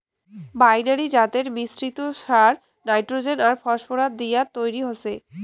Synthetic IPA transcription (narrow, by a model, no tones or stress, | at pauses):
bajnaɾid͡ʑat̪eɾmisɾit̪oʃaɾ | najʈɾod͡ʑenaɾfɔʃpoɾad̪̚d̪ijat̪ojɾiɦose